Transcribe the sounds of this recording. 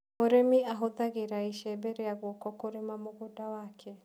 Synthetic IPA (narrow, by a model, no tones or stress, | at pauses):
moɾemiaɦoðaɣeɾaiʃɛːbɛɾeaɣɔkɔkoɾemamoɣodawakʰɛ